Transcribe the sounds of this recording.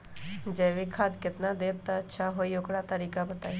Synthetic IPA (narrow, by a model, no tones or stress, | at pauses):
d͡ʒɛːʋikʰad̪kɪt̪nad̪eːb̚t̪aətːʃʰaɦoːiokɽat̪əɾiːkabət̪aːi